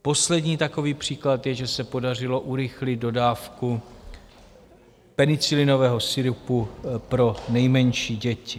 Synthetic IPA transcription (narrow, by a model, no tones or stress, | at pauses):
po̞slɛdɲiːt̪ako̞viːpr̝̥iːklat̪jɛʒɛsɛpo̞dar̝ɪlo̞ʔuɾɪxlɪt̪̚do̞daːfku | pɛnɪt͡sɪlɪno̞vɛːɦo̞sɪɾupupɾo̞nɛjmɛɲʃiːɟɛcɪ